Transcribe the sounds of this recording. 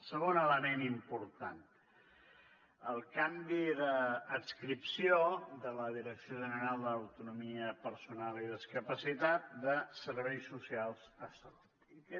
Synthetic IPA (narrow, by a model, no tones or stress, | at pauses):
səɣonələmenimpuɾt̪an | əlˠkambiðəːkskɾipsioðələðiɾəksioʒənəɾalˠd̪əːwt̪unumiəpəɾsunaliðəskəpəsit̪at̪̚d̪əsəɾβ̞ɛjsːusialˠz̥əsəlutuikɛ